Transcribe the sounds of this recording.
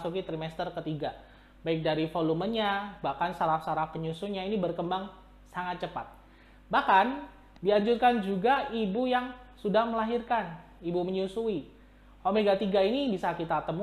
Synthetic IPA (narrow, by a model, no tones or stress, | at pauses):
sukit̪ɾimɛst̪ərkət̪iɡa | baik̚daɾifolumənɲabahkansaɾafsaɾafkəɲusuɲainibərkəmbaŋ | saŋat̪̚t͡ʃəpat̪̚ | bahkan | diaɲd͡ʒurkand͡ʒuɡaibujaŋsudahməlaɦirkan | ibuməɲusui | homeɡat̪iɡainibisakit̪at̪əmu